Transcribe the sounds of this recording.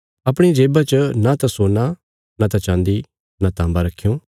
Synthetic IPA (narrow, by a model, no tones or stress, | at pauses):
ɐpɽ̃id͡ʒeːbat͡ʃənat̪ãsoːna | nat̪ãt͡ʃãːnd̪i | nat̪ãːmbaɾɐkʰːijõː